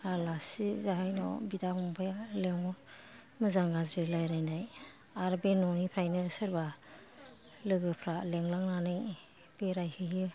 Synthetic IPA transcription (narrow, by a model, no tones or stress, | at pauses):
alasizaɦajnɔ̰bidamɔŋbʰajaleŋɔ | mɯzaŋɡazɾilajɾajnaj | aɾbenɔnipʰɾajnɯsɯɾba | lɯɡɯpʰɾaleŋlaŋnanɯj | b̥eɾajhɯɦɯ